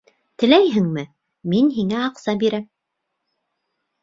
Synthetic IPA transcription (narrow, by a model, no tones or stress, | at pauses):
t̪ɘ̆læjɦɘ̆ŋmɘ | minɦiŋæɑqsɑbiɾæm